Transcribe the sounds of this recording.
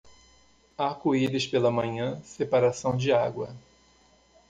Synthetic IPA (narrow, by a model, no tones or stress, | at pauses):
akoiɾɪspelɐmɐ̃ɲɐ̃sepaɾasɐ̃w̃d͡ʒɪaɡwɐ